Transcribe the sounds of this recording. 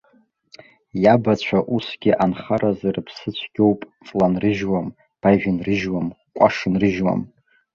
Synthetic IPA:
jabat͡ɕʷʰaʔusɡʲɪʔanχaɾazarɨpʰsɨt͡ɕʷʰɡ̥ʲo̞wpʼfʼlanrɨʒwam | b̥aʒᶣɪnrɨʒwam | kʷʼaʂɨnrɨʒwa̰m

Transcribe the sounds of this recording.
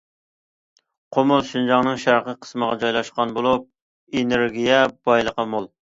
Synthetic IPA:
qʰomʊlˠʃynd͡ʒɑŋnɨŋʃæɾqəqʰə̥sməʁɑd͡ʒɑjlˠɑʃqɑnbolˠup̚ | eneɾɡʲijɛb̥ɑjlˠəqɑmolˠ

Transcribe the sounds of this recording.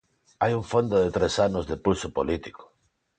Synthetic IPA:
ajuɱfond̪oðet̪ɾesanozðepusopolit̪iko̥

